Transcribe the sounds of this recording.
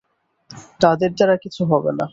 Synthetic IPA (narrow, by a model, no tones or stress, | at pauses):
t̪ad̪eɾd͡ʑaɾakit͡ɕʰuɦɔbena